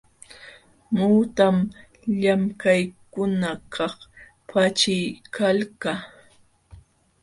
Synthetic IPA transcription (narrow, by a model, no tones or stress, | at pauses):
muːt̪am | ʎamkajkʊnakʰɑχ | pʰat͡ʃɪjkʰalka